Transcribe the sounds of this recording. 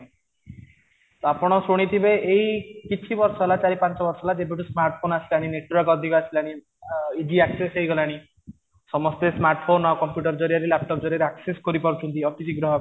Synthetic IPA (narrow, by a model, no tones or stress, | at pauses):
t̪apɔɽ̃ɔsoɽ̃it̪ʰibeʔeikit͡ʃʰibɔɾsɔɦelat͡ʃaɾipãnt͡ʃɔbɔɾsɔelad͡ʒebʱiʈ̬usmaɾʈpʰonasilaɽ̃ineʈːuɾɔkɔd̪ʱikɔasilaɽ̃i | id͡ʒiaksesejɡɔlaɽ̃i | sɔmɔst̪esmaɾʈfʰonɔkɔmpjuʈɔɾd͡ʒɔɾijaɾelap̚ʈɔp̚d͡ʒɔɾiaɾeakseskɔɾipɔɾut͡ʃʰunt̪iɔpisiɡɾɔɦɔ